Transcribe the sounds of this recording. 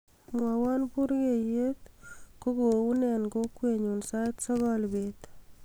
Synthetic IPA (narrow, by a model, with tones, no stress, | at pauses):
mwa˨wa˦npu˦ɾɡe˨je˦t̪ko˦ɡo˨u˦nɛ˨nɡo˦kwe˨ɲu˨nsa˦ɪtsɔ˦ɡɔ˦lbet̪